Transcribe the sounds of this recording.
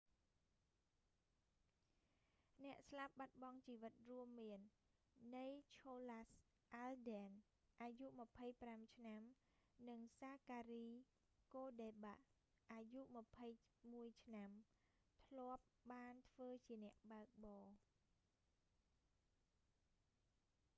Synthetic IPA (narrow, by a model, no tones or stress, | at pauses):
nɛ̆əʔslap̚ɓat̪̚ɓɑŋt͡ɕiːʋɨt̪̚ruəmːiənː | ɨjt͡ɕʰoːlas | ʔalɗɛn | ʔaːjuʔmə̆pʰəjpramt͡ɕʰnam | nɨŋsaːkaːriː | koːɗeːɓaʔ | ʔajuʔmə̆pʰəj | muəjt͡ɕʰnam | t̪ʰlŏəp̚ɓaːnt̪ʰʋəːt͡ɕiənɛ̆əʔɓaək̚ɓɑː